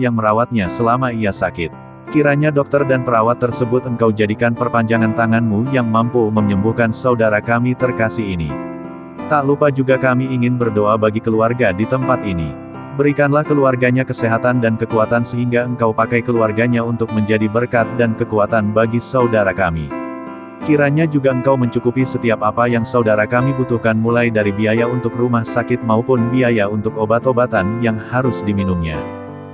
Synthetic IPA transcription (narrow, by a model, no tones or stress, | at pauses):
jaŋməɾawat̪̚ɲasəlamaijasakɪt̪̚ | kiɾaɲadɔk̚t̪ərdanpəɾawat̪ːərsəbʊt̪əŋkawd͡ʒadikanpərpaɲd͡ʒaŋant̪aŋanmujaŋmampuməɲəmbuhkansaudaɾakamit̪ərkasiɦinḭ | t̪aʔlupad͡ʒuɡakamiːŋɪnbərdoabaɡikəluarɡadit̪əmpat̪inḭ | bəɾikanlahkəluarɡaɲakəseɦat̪andankəkuat̪ansəɦiŋɡaəŋkawpakajkəluarɡaɲaunt̪ʊk̚məɲd͡ʒadibərkat̪̚dankəkuat̪anbaɡisaudaɾakami | kiɾaɲad͡ʒuɡaəŋkawməɲt͡ʃukupisət̪iapapajaŋsaudaɾakamibut̪uhkanmulajdaɾibiajaunt̪ʊkrumahsakɪt̪̚maupʊnbiajaunt̪ʊkobat̪obat̪anjaŋhaɾʊsdiminumɲa̰